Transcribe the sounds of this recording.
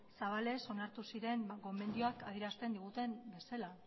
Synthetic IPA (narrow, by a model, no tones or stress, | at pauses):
saβale̞so̞naɾt̪usiɾe̞ŋɡo̞me̞nd̪ioakaðiɾast̪e̞nd̪iɣ̞ut̪e̞mbe̞sela